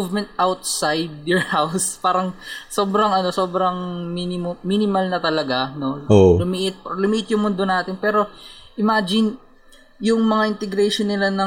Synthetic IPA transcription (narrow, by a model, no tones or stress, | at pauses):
uvmɛ̃nt̪̚ʔawt̪sajd̪̚jɔɹhawspaːɾɐŋso̞ːbɾɐŋʔɐno̞so̞ːbɾɐŋminɪmminɪmɐlnɐt̪ɐlɐɡano̞olʊmiʔɪt̪̚plʊmiʔɪt̪̚jʊŋmʊnd̪o̞naːt̪ɪnpɛːɾo̞ʔɪmaːd͡ʒɪn | jʊŋmɐŋaʔɪnt̪ɛɡɾɛjʃonːɪlanɐ